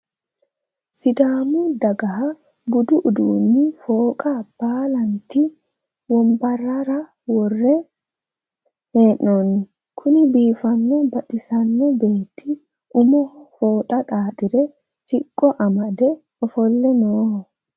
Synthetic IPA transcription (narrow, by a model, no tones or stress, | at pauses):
sɪd̪aːmud̪ɐɡɐɦɐ | bʊd̪ʊʔʊd̪uːnːɪfo̞ːkʼɐb̥aːlɐnt̪i | wɔmbɐrːɐɾɐ | wɔrːɛ | heːʔːonɪ | kʰʊnɪbiːfɐnːɛbɐᶑɪsɐnːɛbe̞ːt̪ːɪ | ʔʊmɔfoːt̪ʼɐt̪ʼaːt̪ʼɪɾɛ | sʼɪkʼːɔʔɐmɐd̪ɛ | ɔfɔlːɛnoːh